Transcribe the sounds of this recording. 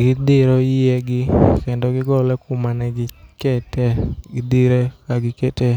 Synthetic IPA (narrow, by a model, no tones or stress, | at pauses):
ɡɪd̪ɪɾɔjɪɛɡɪkɛndɔɡɪɡɔlɛkʊmanɛɡɪkɛtɛɡɪd̪iɾekaɡɪkeɛte